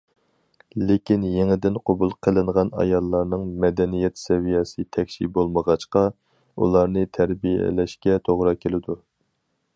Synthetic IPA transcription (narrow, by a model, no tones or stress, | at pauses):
lekʲinjeŋɪd̪ɪnqʰobulˠqʰəlˠɨɴʁɑnɑ̰jɑlˠːɑɾnɨŋmɛd̪ɛnijɛt̪sɛvijɑsɨt̪ʰɛkʲʃḭbolˠməʁɑt͡ʃqɑ | ṵlˠɑɾnɨt̪ʰæɾbijɛ̰lɛʃkʲɛt̪ʰoʁɾɑkʲʰelɪd̪u